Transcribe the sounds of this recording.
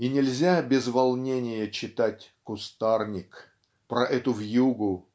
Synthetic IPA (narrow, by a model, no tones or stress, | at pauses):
inʲɪlʲzʲabʲɪzvɐlˠnʲenʲɪjət͡ɕɪt̪atʲkʊst̪arnʲɪk | pɾɐʔɛt̪ʊvjuɡʊ